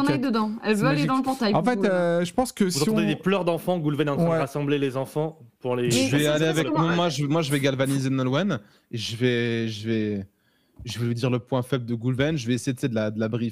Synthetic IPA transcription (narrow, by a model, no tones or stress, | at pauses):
nɛd̪əd̪ɑ̃ɛlvøaled̪ɑ̃ləpɔʁt̪ajɑ̃fɛt̪ʒəpɑ̃skəsvũiɔ̃d̪ed̪eplœʁd̪ɑ̃fɑ̃ɡulvɛnɑ̃t̪ʰw̪ɛʁasɑ̃blelezɑ̃fɑ̃puʁleʒəvɛaleavɛknɔ̃mwaʒəmwaʒəvɛɡalvanizenɔlwɛn | eʒəvɛʒəvɛ | ʒəvuyd̪iʁləpwɛ̃fɛbləd̪əɡulvɛnʒəvɛesejed̪ət͡sɛed̪əlad̪əlabʁif